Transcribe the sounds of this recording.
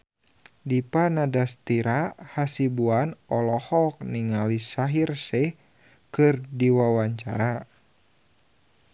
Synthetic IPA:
dipanadast̪iɾahasibuanɔlɔhɔk̚niŋalisaɦirsɛ | kɨrdiwawaɲt͡ʃa̰ɾa

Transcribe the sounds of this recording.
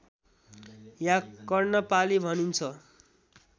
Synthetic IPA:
jãkʌrnʌpalibʱʌnint͡sʰʌ

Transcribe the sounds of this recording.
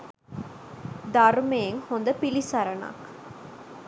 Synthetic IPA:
d̪ɐɾmeeŋhond̪ɐpilisɐɾɐna̰ːk

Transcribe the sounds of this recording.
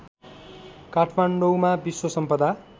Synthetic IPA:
kaʈʰmaɳɖowmabiswosʌmpʌd̪a

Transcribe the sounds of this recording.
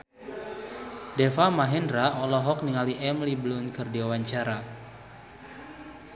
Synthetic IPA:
dɛfamaɦɛndɾaʔɔlɔɦɔk̚niŋaliʔɛmliblʊnkɨrdiwawaɲt͡ʃaɾa

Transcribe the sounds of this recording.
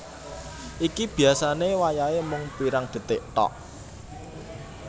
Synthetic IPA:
ʔikib̥i̤asanewajaemʊŋpiɾaŋd̪̥ə̤t̪ɪʔt̪ɔ̰ʔ

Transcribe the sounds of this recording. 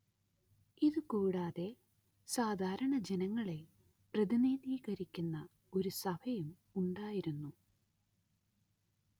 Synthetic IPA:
iðukuːɽaːðe̞ | saːd̪ʱaːɾɐɳɐd͡ʑenɐŋːɐɭe̞ | prɐðiniːðiːɣɐɾikʲːunːɐ | o̞ɾusɐbʱɐjum | uɳɖaːjiɾunːu

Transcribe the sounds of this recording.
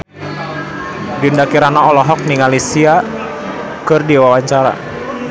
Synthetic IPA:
dindakiɾanaɔlɔɦɔk̚niŋalisia | kɨrdiwawaɲt͡ʃaɾa̰

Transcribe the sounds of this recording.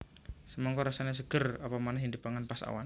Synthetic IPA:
səmɔŋkɔɾasaɲas̬əɡ̥ərapamanɛhɦindəpaŋanpasa̰wa̰n

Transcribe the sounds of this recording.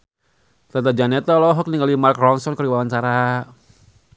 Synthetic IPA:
t̪at̪ad͡ʒanɛt̪alɔɦɔk̚niŋɡalimarkrɔnsɔnkəɾibawant͡ʃaɾa

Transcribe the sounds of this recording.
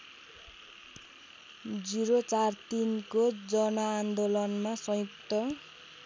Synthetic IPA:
d͡ziɾot͡sart̪inkod͡zʌnʌand̪olʌnmasʌjukt̪ʌ

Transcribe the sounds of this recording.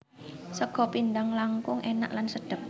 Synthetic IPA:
səɡ̥ɔ̤pind̪aŋlaŋkʊŋʔena̰ʔlansəɖ̥ə̤p̚

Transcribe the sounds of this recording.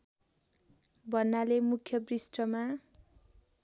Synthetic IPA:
bʱʌrnːalemukʰjʌbrisʈʌma

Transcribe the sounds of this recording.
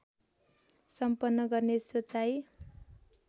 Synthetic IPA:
sʌmpʌnːʌɡʌrnesot͡saj

